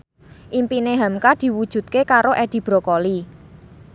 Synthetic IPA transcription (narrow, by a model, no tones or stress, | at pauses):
ʔimpineɦamkad̪̥i̤wud̥ʒ̥ṳt̪̚kekaɾoʔɛd̪̥i̤b̥ɾɔ̤kɔli